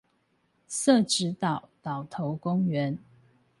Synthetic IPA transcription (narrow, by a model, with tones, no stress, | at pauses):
sə˥˨ʈ͡ʂɻ̩˨˦t̪ɑ˨˩ʊt̪ɑ˨˩ʊt̪ʰo˨˦ʊkʊ˥ŋɥɛ˨˦n